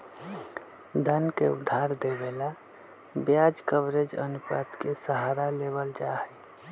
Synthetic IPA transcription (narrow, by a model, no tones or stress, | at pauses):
d̪ʱənkeʊ̰d̪ʱːaɾd̪ebela | bjad͡ʒkəbɾed͡ʒə̰nupa̰t̪kesəɦaːɾaleβəld͡ʒaɦə